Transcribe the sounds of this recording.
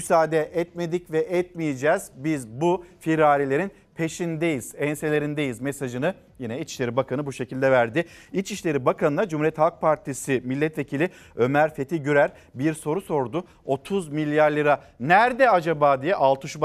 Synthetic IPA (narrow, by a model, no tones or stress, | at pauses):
ysaːd̪ɛʔɛt̪̚me̞d̪icvɛʔɛt̪̚mijed͡ʒɛːz̥bizbufiɾaːlʲilʲe̞ɾin | pʰe̞ʃind̪ejiz̥ɛnse̞lʲe̞ɾind̪ejizmesaʒɯnɯ | jinɛilt͡ʃi̥ʃleɾibakʰanɯbuʃe̞cilʲd̪ɛvæɾd̪ɪilt͡ʃiʃlʲe̞ɾibakanɯnad͡ʒumuɾijɛt̪hak̚pʰaɾt̪ʰisimilʲːɛt̪ve̞cʰilʲi | ø̞mæɾfe̞t̪ʰiɟyɾæɾ | biɾso̞ɾuso̞ɾd̪ʊ | o̞t̪ʰuzmilʲjaɾlˠɯɾa | næɾd̪ɛad͡ʒabaːd̪ijɛʔalˠt̪ʰɯʃb